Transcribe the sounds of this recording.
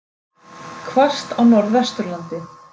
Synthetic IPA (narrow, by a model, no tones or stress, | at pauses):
kʰvar̥st̪awnɔɾðɛst̪ʏɾlant̪ɪ